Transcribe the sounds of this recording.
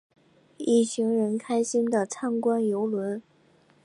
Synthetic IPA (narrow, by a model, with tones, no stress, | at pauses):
i˥˩ɕi˧˥ŋɻə˧˥nkʰa˥ɪɕi˥nd̪ə˨t͡sʰa˥ŋkwa˥njo˧˥ʊlwə˧˥n